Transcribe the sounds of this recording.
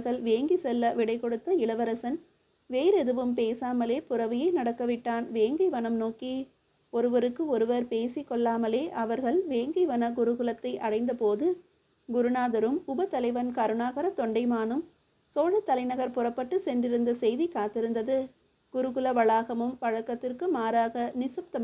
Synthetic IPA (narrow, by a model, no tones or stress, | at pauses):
ɾɣɐɭʋeːŋɡisɛlːɐʋɪɽɐɪkːɔɽɯt̪ːɐɪɭɐʋɐɾɐsɐn | ʋeːɾɛðɯʋɯmpeːsaːmɐleːpʊɾɐʋɪjɐɪnɐɽɐkːɐʋɪʈːaːnʋeːŋɡɪʋɐɳɐmnoːki | ɔɾɯʋɐɾɯkːɯɔɾɯʋɐɾpeːsikːɔɭːaːmɐleːʔɐʋɐɾɣɐɭʋeːŋɡiʋɐnɐɡʊɾɯɣɯɭɐt̪ːɐɪʔɐɽɐɪnd̪ɐpoːðɯ | ɡʊɾɯɳaːðɐɾɯmʊbɐt̪ɐlɐɪʋɐnkɐɾɯɳaːɣɐɾɐt̪ɔɳɖɐɪmaːnɯm | soːɻɐt̪ːɐlɐɪnɐɣɐɾpʊrɐpːɐʈːɯsɛndɪɾɯnd̪ɐsɛjðikaːt̪ːɪɾɯnd̪ɐðɯ | ɡ̥ʊɾɯɣɯlɐʋɐɭaːɣɐmɯmpɐɻɐkːɐt̪ːɪrkɯmaːɾaːɣɐnɪsɐp̚t̪ɐm